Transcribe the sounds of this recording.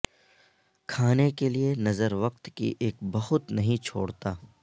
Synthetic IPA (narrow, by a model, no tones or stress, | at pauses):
kʰaːnekelienɐzəɾʋɐq̚t̪kḭʔeːkbɐɦʊt̪nɐɦĩt͡ʃʰo̰ːɽt̪aː